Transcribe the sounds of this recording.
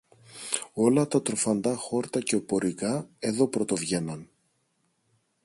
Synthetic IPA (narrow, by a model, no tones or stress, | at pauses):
o̞lɐt̪ɐt̪ɾo̞fɐnd̪ɐxo̞ɾt̪ɐce̞opo̞ɾikɐe̞ðo̞pɾo̞t̪o̞vʝe̞nɐn